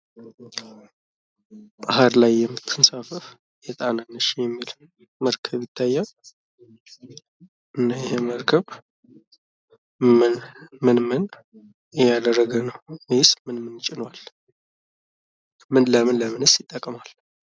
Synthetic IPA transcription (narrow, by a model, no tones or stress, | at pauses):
bahaɾlajːɛmːɨt̪ʰːɨnsafəf | jɛt̪ʼananːəʃjɛmːil | məɾkʰəβjɪt̪ʰːajːa | ʔɨnːajɪheməɾkʰəβ | mɨnmɨnmɨn | jad̪ərːəɡənəwmsmɨnmɨnt͡ʃʼɪnwal | mɨnləmɨnləmɨnɨsjɪt̪ʼːəkʼmal